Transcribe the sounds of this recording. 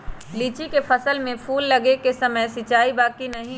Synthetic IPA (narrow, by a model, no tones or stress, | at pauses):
liːt͡ʃikefʰɐsəlmẽpʰuːlːɐɡekesɐməjsɪt͡ʃaːibaːkinɐɦĩ